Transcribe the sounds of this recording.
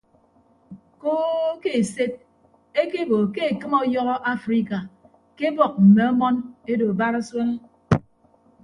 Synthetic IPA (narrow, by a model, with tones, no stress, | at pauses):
koː˦ke˨se˦t̚ | e˦ke˦bo˨ke˦e˨kɨ˦mɔ˦jɔ˦ɣɔ˦ʔa˦fɾi˦ka˨ | ke˦bɔ˨k̚m̩˨me˨ɔ˦mɔ˦ne˦do˨ba˦ɾa˦swe˦le˦